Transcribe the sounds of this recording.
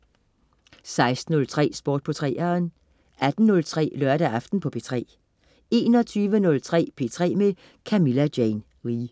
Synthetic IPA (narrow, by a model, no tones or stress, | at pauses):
sɑ̈ɪsd̥n̩ɔ̽lt͡sʰʁɛ̰ːsb̥oɐ̰d̥̚pʰɒ̽t͡sʰʁɛ̰ːɐn | ʔæd̥n̩nɔ̽lt͡sʰʁɛ̰ːlœɐɾæɑfd̥n̩pʰɒ̽pʰe̝ːt͡sʰʁɛ̰ː | e̝̰ːnɒ̽t͡sʰyːʋənɔ̽lt͡sʰʁɛ̰ːpʰe̝ːt͡sʰʁɛ̰ːme | kʰæmilæd̥jen | ʁiː